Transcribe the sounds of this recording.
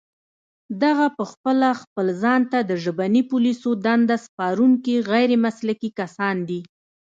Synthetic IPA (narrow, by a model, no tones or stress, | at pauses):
d̪aɣapəxpəlaxpəlzɑnt̪ad̪əʒəbanipulisod̪and̪aspɑɾuŋkiɣajɾemaslakikasɑnd̪i